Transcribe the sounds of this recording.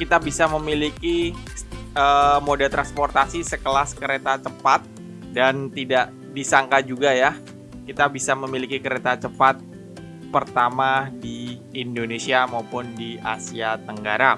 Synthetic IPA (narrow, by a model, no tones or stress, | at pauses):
kit̪abisaməmiliki | əmodɛlt̪ɾansport̪asisəkəlaskəɾet̪at͡ʃəpat̪̚ | dant̪idaʔ | disaŋkad͡ʒuɡaja | kit̪abisaməmilikikəɾet̪at͡ʃəpat̪̚ | pərt̪amadi | indonesiamaupʊndiʔasiat̪əŋɡaɾa